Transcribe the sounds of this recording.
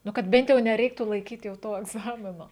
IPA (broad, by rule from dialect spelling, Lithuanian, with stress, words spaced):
ˈnʊ kɐt ˈbʲɛnt jɛʊ nʲɛrʲˈɛɪktuː lˠɐɪˈkʲiːtʲ jɛʊ ˈtoː ɛɡˈzɑːmʲɪnoː